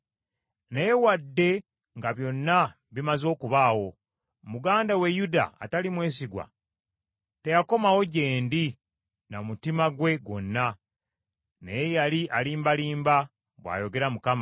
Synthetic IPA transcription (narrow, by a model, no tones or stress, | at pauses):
nejewadːe̞ | ŋɡaβjo̞nːa | βimazo̞ːkuβaːwo̞ | muɡaːndawe̞juda̰ːtalimwe̞ːsiɡwa̰ | te̞jako̞mawo̞ɟe̞ːndi | namutimaɡwe̞ɡo̞̰nːa | nḛjejaliʔaliːmbaliːmba | βwa̰ːjo̞ɡe̞ɾamukama